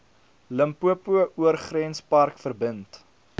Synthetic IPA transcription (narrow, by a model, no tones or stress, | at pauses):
ləmpuəpuəʔuərχrɛnspɐrkfərbənt